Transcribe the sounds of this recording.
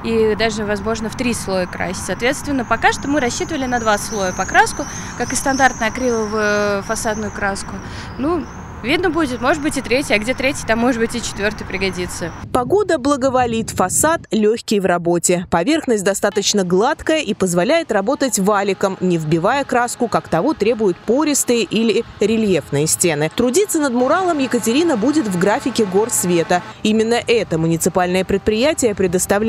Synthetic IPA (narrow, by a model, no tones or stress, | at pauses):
id̪aʐɨvɐzmo̞ʐnəft̪ɾʲislˠo̞jəkɾa̰sʲtʲsɐːt̪vʲe̞t̪st̪vʲɪnːəpɐkaʂt̪omɨɾɐɕːit̪əvəlʲɪnɐd̪vaslˠo̞jəpɐkɾaskʊ | kakɨst̪ɐnd̪art̪nəjɐkɾʲivˠəvʊjʊfɐsad̪nʊjʊkɾaskʊ | nu | vʲid̪nəbudʲɪt̪mo̞ʐɨd̪bɨtʲɪt̪ɾʲetʲjɐɡdʲet̪ɾʲetʲjət̪amːo̞ʐɨd̪bɨtʲɪt͡ɕɪt̪vʲo̞rt̪ɨjpɾʲɪɡɐdʲit̪səpɐɡo̞d̪əblˠəɡəvɐlʲit̪fɐsat̪lʲɵçʲkʲɪjvrɐbo̞tʲɪpɐvʲe̞rxnəsʲt̚ʲd̪ɐst̪at̪ət͡ɕnəɡlˠat̪kəjəʔipəzvɐlʲæjɪt̪rɐbo̞t̪ətʲvalʲɪkəmnʲɪvbʲɪvajəkɾaskʊkakt̪ɐvo̞t̪ɾʲe̞bʊjʊt̪po̞ɾʲɪst̪ɨjəʔilʲɪɾʲɪlʲjefnɨjəsʲtʲe̞nɨt̪ɾʊdʲit̪sːənəd̪mʊɾalˠəmjɪkətʲɪɾʲinəbudʲɪt̪vɡɾafʲɪkʲɪɡo̞rsvʲe̞t̪əimʲɪnːəʔɛt̪əmʊnʲɪt̪sɨpalʲnəjəpɾʲɪt̪̚pɾʲɪjætʲɪjəpɾʲɪd̪əst̪ɐvlʲ